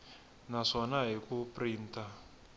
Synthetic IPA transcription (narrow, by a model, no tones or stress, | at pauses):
naʂɔnaɦikupʼriːntʼa